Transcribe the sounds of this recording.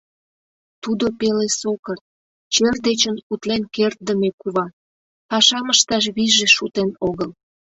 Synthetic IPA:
t̪ud̪opelesokərt̪̚ | t͡ɕerd̪et͡ɕənut̪lenkert̪̚d̪əmekuβɑ | pɑʃɑməʃt̪ɑʃ̬βiʒeʃut̪enoɣəl

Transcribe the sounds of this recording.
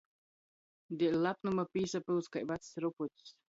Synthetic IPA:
d̪ʲilʲlapnumapiːsapɨlˠskajvat̪ssɾuput̪ʲs

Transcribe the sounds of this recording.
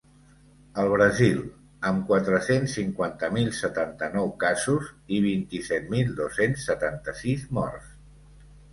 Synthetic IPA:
əlˠβɾəzilˠ | əmkwat̪ɾəsensːiŋkwant̪əmilˠsət̪ant̪ənɔwkazuziβ̞int̪isɛt̪milˠd̪osensːət̪ant̪əsizmɔ̰rs

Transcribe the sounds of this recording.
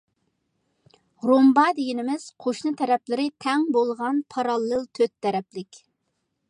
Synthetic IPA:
ɾombɑd̪eɡʲinɪmɪz̥qʰoʃnɨt̪ʰɛɾɛplɪɾɪt̪ʰɛŋbolˠʁɑnpʰɑɾɑlˠːɨlˠt̪ʰøt̪ʰːɛɾɛplɪkʲ

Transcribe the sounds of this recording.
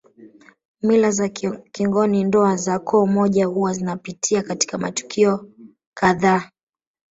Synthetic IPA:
milazakiŋɡɔnindɔazakʰɔːmɔʄahuwazinapitʰiakati̥kamatu̥kʰiɔ | kaðaː

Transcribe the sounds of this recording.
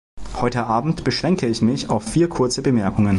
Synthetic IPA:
hɔʏtəʔaːbm̩tb̥əʃʁ̥ɛŋkəɪçmɪçaʊfːiːɐkʰʊɐt͡səbəmɛɐkʊŋən

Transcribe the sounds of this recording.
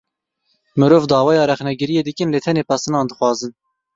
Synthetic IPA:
mɨɾoːvd̪ɑːwɑːjɑːɾɛχnɛɡɨɾijeːd̪ɨkɨnleːt̪ʰɛneːpʰæsɨnɑːnd̪ɨxwɑːzɨn

